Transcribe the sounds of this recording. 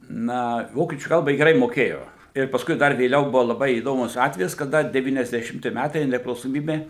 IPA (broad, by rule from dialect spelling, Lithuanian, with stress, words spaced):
ˈnɐ ˈʋoːkʲiɛt͡ʃʲuː ˈkɐlˠbɐ ˈjɪ ɡʲɛˈrɐɪ moːˈkʲeːjoː ɪr pɐˈskʊɪ ˈdɐr ʋʲeːˈlʲɛʊ ˈbʊʋoː lˠɐˈbɐɪ iːˈdoːmʊs ˈɑːtʲʋʲɛjɪs kɐˈdɐ dʲɛʋʲiːnʲɛzʲdʲɛʃʲɪmʲˈtʲɪ ˈmʲætɐɪ nʲɛpʲrʲɪklˠɐʊsoːˈmʲiːbʲeː